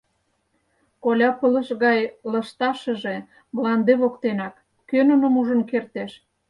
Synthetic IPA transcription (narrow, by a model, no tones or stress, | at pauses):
kolʲɑpələ̆ʃɣɑjləʃt̪ɑʃə̆ʒe | mlɑnd̪eβokt̪enɑk | kønə̆nə̆muʒə̆nkert̪eʃ